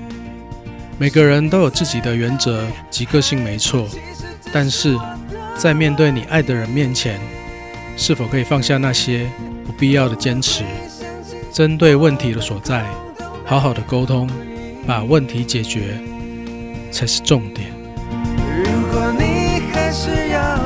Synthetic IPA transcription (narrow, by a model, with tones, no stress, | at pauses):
me˨˩ɪɡə˧˦ɻə˧˦nt̪o˥ʊjo˨˩ʊt͡sɹ̩˥˩t͡ɕi˨˩d̪ə˦ɥɛ˧˦nt͡sɤ˧˦t͡ɕi˧˥kɤ˥˧ɕi˥˩ŋme˧˥ɪt͡sʰwɔ˥˩˨ | t̪a˥˧nʂɻ̩˥˩t͡sa˥˧ɪmjɛ˥˧nt̪we˥˩ɪni˨˩ʔa˥˩ɪd̪ə˨˩ɻə˧˦nmjɛ˥˨nt͡ɕʰjɛ˧˦n | ʂɻ̩˥˩fo˨˩ʊkʰɤ˧˥i˨˩fɑ˥˧ŋɕja˥˧na˥˧ɕjɛ˥pu˨˥pi˥˧jɑ˥˩ʊɾə˩t͡ɕjɛ˥nʈ͡ʂ̩ʰ˨˧˦ | ʈ͡ʂə˦nt̪we˥˧ɪwə˥˨nt̪ʰi˨˥d̪ə˨swɔ˨˩t͡sa˥˩ɪ | hɑ˧˥ʊɦɑ˨˩ʊd̪ə˦ko˥ʊt̪ʰʊ˦ŋ | pa˨˩wə˥˨nt̪ʰi˨˦t͡ɕjɛ˨˩t͡ɕɥɛ˧˦ | t͡sʰa˧˥ʂ̩˧ʈ͡ʂʊ˥˨ŋt̪jɛ˨˩˦n | ɻu˧˥kwɔ˨˩ni˨˩kʰa˥ɪʂ̩˧jɑ˥˧